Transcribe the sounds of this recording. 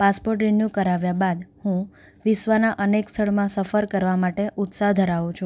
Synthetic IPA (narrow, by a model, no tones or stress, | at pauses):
paspoɾʈɾɪnjukəɾaʋjabad̪hũ | ʋɪsʋanaʔənekst̪ʰəɭmãsəfəɾkəɾʋamaʈeʔʊt̪saɦd̪ʱəɾaʋũt͡ʃʰũ